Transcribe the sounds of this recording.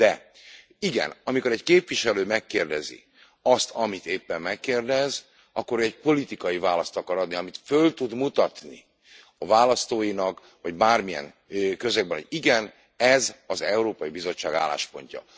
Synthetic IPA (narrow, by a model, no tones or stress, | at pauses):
d̪ɛ | iɡɛ̰nɒmiko̞ɾɛckeːpʋiʃɛløːmɛkːeːrd̪ɛzḭ | ɒst̪ʰɒmit̪eːpːɛmːɛkːeːrd̪ɛz | ʔɒkːoɾøɛcpo̞lit̪ikɒjivaːlɒst̪ɒkɒɾɒd̪niɒmit̪følt̪ud̪mut̪ɒt̪nḭ | ɒvaːlɒst̪oːjinɒk | vɒɟbaːrmiɛ̰ŋ | økø̞zøɡ̚bɛnoɟiɡɛn | ɛzɒzɛuɾoːpɒjibizo̞t͡ʃːaːɡa̰ːlːa̰ːʃpo̞̰ɲcɒ̰